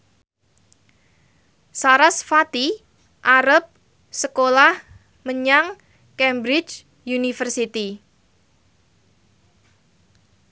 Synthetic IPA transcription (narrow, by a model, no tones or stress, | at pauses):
saɾasfat̪i | ʔaɾəp̚ | səkolah | məɲaŋ | kɛmbɾɪt͡ʃ | junifərsit̪i